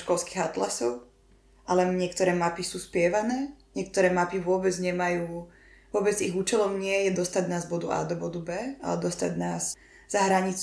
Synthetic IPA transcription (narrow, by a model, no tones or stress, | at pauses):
ʃkɔlski̥ɣat̪lasɔʊ | alɛɲɪɛkt̪ɔɾɛːmapisuːspɪɛʋanɛːɲɛkt̪ɔɾɛːmapiʋʊɔbɛd͡zɲɛmajuː | ʋʊɔbɛd͡ziɣuːt͡ʃɛlɔmɲɪɛjɛd̪ɔst̪aɟnaːzbɔd̪uʔa̰ːd̪ɔbɔd̪ubɛːa̰lɛd̪ɔst̪a̰ɟnaːs | z̥aɦɾaɲit͡s